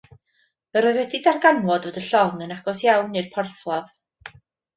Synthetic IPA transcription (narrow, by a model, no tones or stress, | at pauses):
vɛɾoːɨðwɛdidarɡanwɔdvodəɬɔŋənaɡɔsjawnɨrpʰɔrθlˠɔð